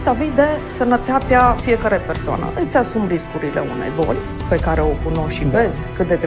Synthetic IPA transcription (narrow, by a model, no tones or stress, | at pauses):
savid̪e̞sənət̪at̪eafijekaɾepersoa̰nə̰ʔət̪sʲasumɾiskuɾilḛṵnḛjbo̞̰lʲ | pe̞kaɾe̞o̞kuno̞ʃive̞zkɨt̪̚d̪e̞d̪